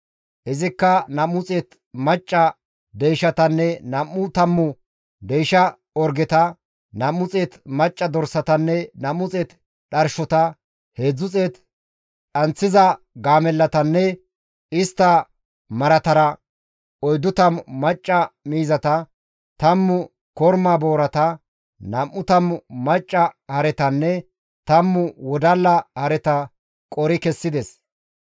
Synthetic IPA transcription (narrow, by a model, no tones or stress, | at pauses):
ʔɪzɪkːɐnɐmʊt͡sʼeːt̪ | mɐt͡ʃʼːɐ | d̪ejʃɐt̪ɐnːɛnɐmːʊt̪ɐmːʊ | d̪ejʃɐ | ɔɾɡɛt̪ɐ | nɐmːʊt͡sʼeːt̪mɐt͡ʃʼːɐd̪ɔɾsɐt̪ɐnːɛnɐmʊt͡sʼeːt̪ | ɗɐɾʃɔt̪ɐ | he̞ːd͡zːʊt͡sʼeːt̪ | ɗɐnt͡sːɪzɐ | ɡaːmɛlːɐt̪ɐnːɛ | ɪst̪ːɐ | mɐɾɐt̪ɐɾɐ | ɔjd̪ʊt̪ɐmmːɐt͡ʃʼːɐmiːzɐt̪ɐ | t̪ɐmːʊ | kɔɾmaːbo̞ːɾɐt̪ɐ | nɐmːʊt̪ɐmmɐt͡ʃʼːɐhɐɾɛt̪ɐnːɛ | t̪ɐmːʊwɔd̪ɐlːɐhɐɾɛt̪ɐ | kʼɔɾɪkɛsːɪd̪ɛs